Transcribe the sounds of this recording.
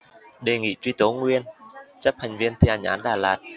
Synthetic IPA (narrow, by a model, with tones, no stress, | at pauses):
ɗe˨˩ŋḭ˧˨t͡ɕwi˧t̪o˨˦ŋwi˧ənt͡ɕə˦˥p̚ha˨˩jŋ̟vi˧ənt̪ʰi˨˩ʔa˨˩ŋ̟ʔa̰ː˨˦nɗaː˨˩laː˨˩t̚